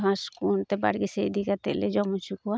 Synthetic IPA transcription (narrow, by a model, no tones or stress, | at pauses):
ɦãskunt̪ɛba̰ɽɡisejd̪ikat̪ɛʔlɛd͡ʒɔmut͡ʃukuwa